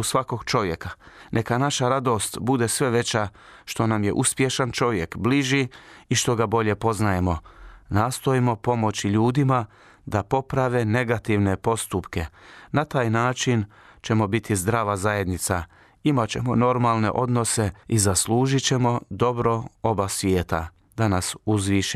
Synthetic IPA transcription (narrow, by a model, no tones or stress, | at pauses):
usʋako̞ɡ̥t͡ʃo̞ʋje̞ka | nʔe̞kanaʃaɾad̪o̞st̪bud̪e̞sʋe̞ʋe̞t͡ɕaʃt̪o̞namje̞̰ʔuspje̞ʃant͡ʃo̞ʋje̞kbliʒiiʃt̪o̞ɡabo̞ʎe̞po̞znaje̞mo̞naːst̪o̞imo̞po̞mo̞t͡ɕiʎuːd̪ima | d̪apo̞pɾaʋe̞ne̞ɡat̪iʋne̞po̞st̪upke̞nat̪aːjnaːt͡ʃin | t͡ɕe̞mo̞bit̪ʰizd̪ɾaːʋazaje̞d̪nit̪sa | imat͡ɕe̞mo̞no̞ɾmalˠne̞̰ʔo̞d̪no̞se̞izasluːʒit͡ɕe̞mo̞d̪o̞bɾo̞o̞basʋjeːt̪a̰ | d̪anasuzʋiʃ